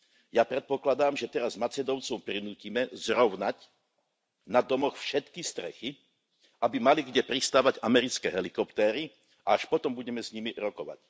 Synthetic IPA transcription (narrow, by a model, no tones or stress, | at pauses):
japɾɛt̪̚pɔklad̪aːmʒɛt̪ɛɾazmat͡sɛd̪ɔʊt͡sɔʊpɾinuːcimɛzɾɔʊnac | nad̪ɔmɔxfʃɛt̪kist̪ɾɛ̰xi | abimaliɡɟɛpɾist̪aːʋaɟamɛɾit͡skɛ̰ɦɛlikɔpt̪ɛːɾi | aaʃpɔt̪ɔmbuɟɛmɛsɲimiɾɔkɔʋa̰c